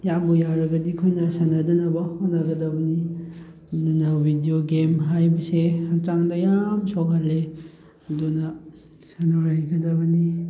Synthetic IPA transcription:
jamujaɾɐɡɐdikʰojnɐsɐnɐdɐnɐbɐhonːɐɡɐdɐbɐni | dunɐbʱidioɡemɦajbɐsehat͡ʃaŋdɐjamsok̚halːe | ɐdunɐ | sɐnoɾajɡɐdɐbɐni

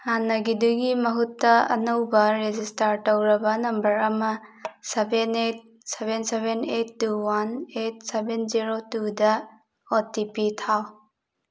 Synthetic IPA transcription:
hanːɐɡiduɡimɐɦutːɐɐ̰nɐwbɐɾezistaɾtɐwɾɐbɐnɐmbɐɾɐmɐsebenet̚ | sebensebenetːuwanet̚sebenziɾotudɐ | otipitʰaw

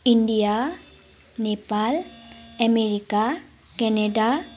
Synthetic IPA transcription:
indija | nepalɛmeɹika | kɛnɛda

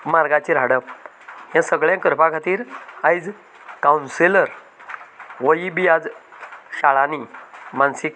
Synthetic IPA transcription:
maɾɡat͡ɕiɾaɽəp | ɦjãsəɡɭjãkəɾpãkʰat̪iːɾajd͡z | kaunseləɾ | ʋəibijad͡zɕaɭanimansik

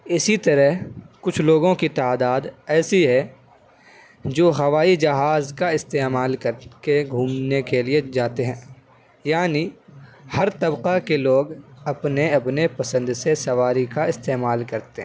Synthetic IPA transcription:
ɪsit̪ɐɾəɦkʊt͡ʃʰloːɡõkit̪aːd̪aːd̪ɛːsiɦɛ | d͡ʒoːɦɐʋaːid͡ʒɐɦaːzkaɪst̪eːmaːlkɐɾkeɡʱuːmnekelied͡ʒaːt̪eɦɛ̃ː | jaːnihɐɾt̪ɐbqakeloːɡɐpneɐpnepɐsə̃nd̪sesɐʋaːɾikaɪst̪eːmaːlkɐɾt̪eɦɛ̃

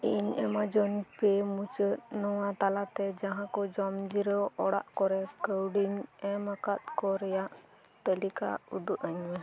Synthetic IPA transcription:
iɲɛmad͡ʒɔnpɛmut͡ʃət̪̚nɔwat̪alat̪ɛd͡ʒaɦãkɔd͡ʒɔmd͡ʒiɾəwɔɽa̰ʔkɔɾɛkəwɖiɲɛmakat̪̚kɔɾɛjaʔ | t̪əlika̰ud̪uʔəɲwɛ

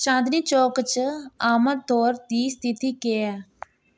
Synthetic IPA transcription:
ʃãːnd̪niːt͡ʃoːkt͡ʃaːməɾt̪oːɾd̪iːst̪ʰɪt̪iːkeːɛː

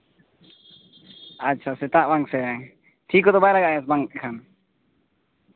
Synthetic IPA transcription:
atːt͡ʃʰasɛt̪aʔbaŋsɛ | ʈ̪ʰikɔd̪ɔbajlaɡaʔjɛsbaŋɛkʰan

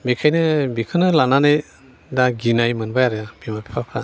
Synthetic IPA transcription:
bikʰajnɯbikʰɯnɯlananaj | daɡinajmɯnbajaɾɯabimapʰi̥pʰapʰɾa

